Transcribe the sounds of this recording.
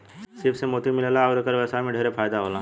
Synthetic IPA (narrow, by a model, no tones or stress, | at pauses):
sɪbsemoːt̪imɪlelaːd̪kəɾʋɛːsamẽɖʱeːɾepʰaːjd̪aɦoːlãː